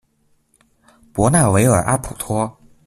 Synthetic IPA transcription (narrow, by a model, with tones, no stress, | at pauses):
pwɔ˧˥na˥˩we˧˥ɪə˞˨˩ʔa̰˥pʰu˨˩t̪ʰwɔ˥